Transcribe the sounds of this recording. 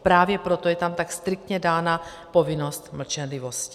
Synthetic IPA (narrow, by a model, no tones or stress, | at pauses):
pɾaːvjɛpɾo̞t̪ojɛt̪amt̪akst̪ɾɪk̚t̪ɲɛdaːna | po̞vɪno̞st̪ml̩t͡ʃɛnlɪvo̞scɪ